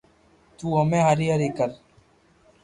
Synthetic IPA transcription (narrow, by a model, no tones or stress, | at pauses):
t̪uːəmẽːɦaɾiaɾiːkəɾ